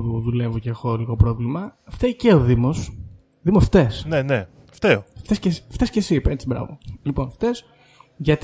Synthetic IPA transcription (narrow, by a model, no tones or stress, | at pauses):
uðule̞voceexoliɣo̞pɾo̞vlimɐft̪eceoðimo̞s | ðimosft̪e̞snene | ft̪eoft̪escesift̪escesipet͡sibɾɐ̰vo̞̰lipo̞nft̪e̞s | ʝɐt̪